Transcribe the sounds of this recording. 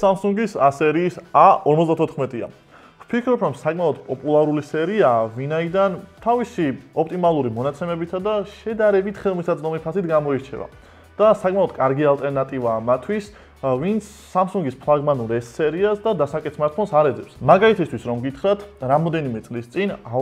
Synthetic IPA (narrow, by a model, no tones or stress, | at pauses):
samsuŋɡisasɛɾiːsaɔɾmɔt̪d̪at̪ʰɔt̪ʰχmɛt̪ʼia̰ | v̥pʰikʰɾɔpʰɾɔmsakʼmaɔd̪pʼɔpʼulˠaɾulisɛɾiavinaid̪ant̪ʰavisiɔp̚ʰt̪ʼimalˠuɾimɔnat̪sʰɛmɛbit̪ʰad̪aʃɛd̪aɾɛbit̪ʰχɛlˠmisad̪zʼd̪ɔmipʰasit̪ʰɡamɔiɾt͡ʃʰɛ̰va̰ | d̪̥asakʼmaɔd̪kʼaɾɡialˠt̪ʼɛɾnat̪ʼivaːmat̪ʰwis | vint̪sʰːamsuŋɡispʰlˠaɡmanuɾɛsːɛɾiasd̪ad̪asakʼɛt̪sʰmaɾt̪̚pʰɔnsaɾɛd̪zɛpsmaɡait̪ʰist̪ʰwisɾɔmɡit̪ʰχɾat̪ʰɾamɔd̪ɛnimɛt̪sʼlist̪sʼina